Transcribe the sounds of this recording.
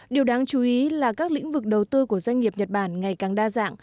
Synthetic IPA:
ɗi˨˩əwɗaː˨˦ŋt͡ɕu˨˦ʔi˨˦laː˨˩kaː˦˥k̚lḭ˧˥ŋ̟vɨ˨˩k̚ɗə˨˩wt̪ɨ˧ku˧˩əzwa˧jŋ̟ɲi˨˩əp̚ɲə˨˩t̚ɓaː˧˩nŋa˨˩jkaː˨˩ŋɗaː˧za̰ː˧˨ŋ

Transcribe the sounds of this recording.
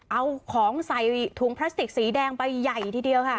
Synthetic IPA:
ʔa˧wkʰɔː˩˦ŋsa˨˩jt̪ʰuː˨˩˦ŋpʰla˦˥st̪i˨˩k̚siː˩˦dɛː˧ŋpa˧jːa˨˩jt̪ʰiː˧di˧əwkʰa˥˩

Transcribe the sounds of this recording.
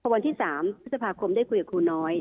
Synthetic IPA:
pʰɔ˧wa˧nt̪iː˥˩saː˩˦mʰɾ̚sa˧pʰaː˧kʰo˧mdaː˥˩jkʰu˧jkaː˨˩kʰuː˧nɔː˦˥j

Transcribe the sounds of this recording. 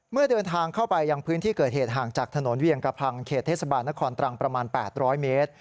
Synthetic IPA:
mɯ˥˩ɐdɤː˧nt̪ʰaː˧ŋkʰa˥˩wpa˧jːa˧ŋpʰɯː˦˥nt̪ʰiː˥˩kɤː˨˩t̪̚heː˨˩t̪̚ɦaː˨˩ŋt͡ɕaː˨˩k̚t̪ʰa˧no˩˦nwi˧əŋka˧pʰa˧ŋkʰeː˨˩t̪ʰːeː˥˩sa˧baː˧nːa˦˥kʰɔː˧nt̪ɾa˧ŋpɾa˧maː˧npɛː˨˩t̪̚ɾɔː˦˥jmeː˦˥t̪̚

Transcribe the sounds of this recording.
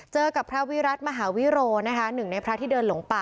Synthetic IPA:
t͡ɕɤː˧ka˨˩pʰɾa˦˥wi˦˥ɾa˦˥t̪̚ma˧ɦaː˩˦wi˦˥ɾoː˧na˦˥kʰa˦˥nɯ˨˩ŋna˧jpʰɾa˦˥t̪ʰiː˥˩dɤː˧nlo˩˦ŋpa˨˩

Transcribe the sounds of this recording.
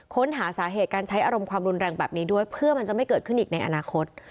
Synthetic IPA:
kʰo˦˥nɦaː˩˦saː˩˦ɦeː˨˩t̪̚kaː˧nt͡ɕʰa˦˥jʔaː˧ɾo˧mkʰwaː˧mɾu˧nɾɛː˧ŋbɛː˨˩p̚niː˦˥du˥˩əjpʰɯ˥˩ɐma˧nt͡ɕa˨˩ma˥˩jkɤː˨˩t̪̚kʰɯ˥˩nʔiː˨˩k̚na˧jʔa̰˧naː˧kʰo˦˥t̪̚

